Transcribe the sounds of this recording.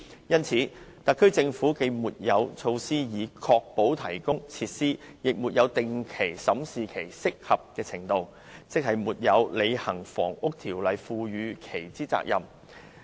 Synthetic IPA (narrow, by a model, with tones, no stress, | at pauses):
jɐ˥nt͡sʰiː˨˥t̪ɐ˨kʰːɵ˥t͡sɪ˧ŋfuː˨˥ke˧muː˨t̚jɐ˨˧wt͡sʰo˧wsiː˥jiː˨˧kʰɔː˧k̚po˨˥wt̪ʰɐ˨˩jkʊ˥ŋt͡sʰi˧t̚siː˥jɪ˨k̚muː˨t̚jɐ˨˧wt̪ɪ˨ŋkʰe˨˩jsɐ˨˥msiː˨kʰe˨˩jsɪ˥k̚hɐ˨p̚kɛː˧t͡sʰɪ˨˩ŋt̪o˧w | t͡sɪ˥k̚hɐ˨˩jmuː˨˩t̚jɐ˨˧wle˨˧jhɐ˨˩ŋfɔ̰ː˨˩ŋʊ˥k̚t̪ʰiː˨˩wlɐ˨˧jfuː˧ɥyː˨˧kʰe˨˩jt͡siː˥t͡sa̰ː˧k̚jɐ˨m